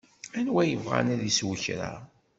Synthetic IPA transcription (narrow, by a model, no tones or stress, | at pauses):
ænwæjəvʁa̰næðiswəçɾa̰